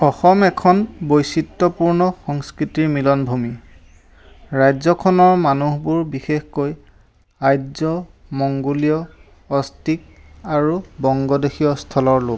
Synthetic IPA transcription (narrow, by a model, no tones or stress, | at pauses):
ɔxɔmɛkʰɔnbojsitːɔpuɹnɔxɔŋskɹitiɹmilɔnbʱumi | ɹajzɔkʰɔnɔɹmanuɦbuɹbixexkoj | ajzɔmɔŋɡolijɔ | ɔstik̚aɹubɔŋɡɔdexijɔstʰɔlɔɹlok̚